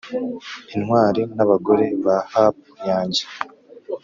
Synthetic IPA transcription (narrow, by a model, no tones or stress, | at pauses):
inwaːɾenaβaɡo̞ɾe̞βahap | jaːɲɟe